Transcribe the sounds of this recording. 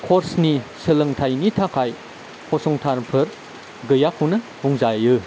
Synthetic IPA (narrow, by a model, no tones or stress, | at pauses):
kʰɔɾsnisɯlɯŋtʰajnitʰakʰaj | hʰɔsɔŋtʰaɾpʰɯɾ | ɡɯjapʰunɐ | buŋzajɯ